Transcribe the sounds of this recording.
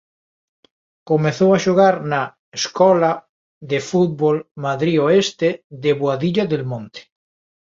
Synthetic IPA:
komeθowaʃoɣ̞aɾna | eskɔla | ðefut̪̚βolmaðɾioest̪eðeβwaðiʎaðelmõnt̪e̥

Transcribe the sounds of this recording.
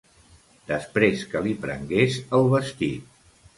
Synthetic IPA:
d̪̥əspɾeskəlipɾə̰ŋɡesəlˠβəst̪it̪̚

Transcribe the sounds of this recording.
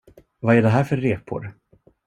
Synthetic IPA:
vaæɖɛɦæːɾfœɾːeːpʰʊ̰ɾ

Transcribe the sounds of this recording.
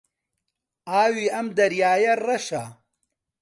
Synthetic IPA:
aːwiːɐmd̪ɐɾjaːjɐrɐʃa

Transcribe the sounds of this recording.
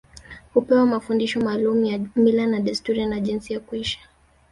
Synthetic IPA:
hupɛwamafundiʃɔmaːlumujamilanaɗistuɾianaʄinsijakuiʃḁ

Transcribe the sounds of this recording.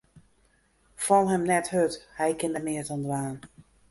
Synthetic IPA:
fɔlˠɦɛmnɛthøthɛjkɪndəmɪətɔndraːn

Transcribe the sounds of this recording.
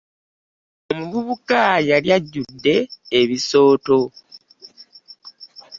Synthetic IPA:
o̞muβuβukajaljaɟːudːe̞ːβiso̞ːto̞

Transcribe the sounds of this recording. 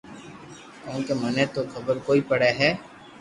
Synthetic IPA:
kɔ̃ːnkemənet̪okʰəbəɾkoːipəɽeɦɛː

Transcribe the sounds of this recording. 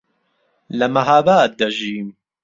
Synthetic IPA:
lɐmɐɦabaːt̪̚d̪ɐʒiːm

